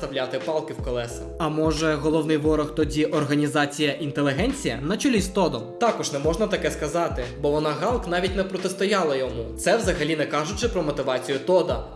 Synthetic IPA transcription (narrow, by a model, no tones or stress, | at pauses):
t̪ɐwlʲat̪ɪpɑlˠkɪwkɔlˠɛsɐɐmɔʒɛɦɔlˠɔwnɪjʋɔɾɔxt̪ɔdʲiʔɔrɦɐnʲizɑt͡sʲijɐʔint̪elʲˠɪɦɛnʲt͡sʲijɐnɐt͡ʃʊlʲizt̪ɔd̪ɔmt̪ɑkɔʒnɛmɔʒnɐt̪ɐkɛskɐzɑt̪ɪbɔʋɔnɑɦɑlˠknɑʋʲitʲnɛpɾɔt̪ɪst̪ɔjɑlˠɐjɔmut̪sɛwzɐɦɐlʲinɛkɑʒʊt͡ʃɪpɾɔmɔt̪ɪʋɑt͡sʲijʊt̪ɔd̪ɐ